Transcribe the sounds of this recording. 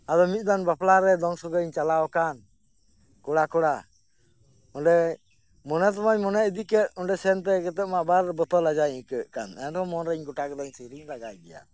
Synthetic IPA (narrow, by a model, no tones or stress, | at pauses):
ad̪ɔmit̪̚ˀd̪anbaplaɾɛd̪ɔŋsɔɡəiɲt͡ʃalaɔkan | kɔɽakɔɽa | ɔɳɖɛ | mɔnɛt̪̬maɲmɔnɛəd̪ikɛt̚ɔɳɖɛsɛnt̪̬ɛkɛt̪ɛʔ̚maʔbaɾbət̪ɔlad͡ʒaiɲkəʔkanɛndɔmɔnɾɛiɲɡɔʈakɛd̪ɔɲsəɾiɲɾaɡajbɛja̰